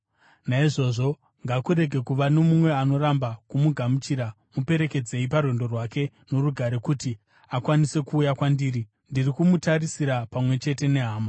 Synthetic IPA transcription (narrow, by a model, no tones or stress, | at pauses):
naiʐo̞ːʐo̞ | ŋɡakuɾe̞ɡʱe̞kuʋano̞mumwe̞ano̞ɾambakumuɡʱamut͡ʃiɾa | mupe̞ɾe̞ke̞d͡ze̞iparwe̞ndo̞rwake̞ | no̞ruɡʱaɾe̞kuti | akwanise̞kuːjakwandiːɾi | ndirikumutaɾisiɾapamwe̞t͡ʃe̞te̞ne̞ɦaːma